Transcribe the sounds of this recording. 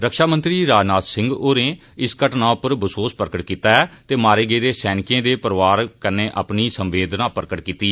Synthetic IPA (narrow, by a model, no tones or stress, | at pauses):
ɾəkʃaːmə̃nt̪ɾiːɾaːd͡ʒnaːt̪sɪ̃ŋɡoːɾẽː | ɪskəʈnãːʊpəɾbəsoːspəɾkəʈkiːt̪aːɛːt̪eːmaːɾeːɡəeːd̪eːsɛːnɪkẽːd̪eːpəɾʋaːɾkəɾneːʔa̰pniːsəmʋeːd̪nãːpəɾəkəʈkiːt̪iː